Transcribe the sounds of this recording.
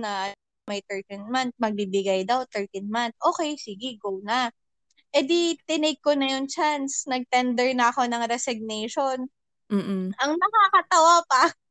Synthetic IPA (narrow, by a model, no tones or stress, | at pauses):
nɐ | mɐjt̪ɛɹt̪inmant̪̚mɐɡ̚bibɪɡajd̪ɐwt̪ɛɹt̪inmant̪̚ʔo̞ːkɛjsiɡɪɡowna | ʔɛd̪it̪ɪnɪɡ̚konɐjont͡ʃansnɐɡ̚t̪ɛnd̪ɛɹnɐɐko̞nɐŋɾɛsɪɡ̚nɛjʃo̞n | m̩ːʔ̩ʔɐŋnɐkakɐt̪ɐwapa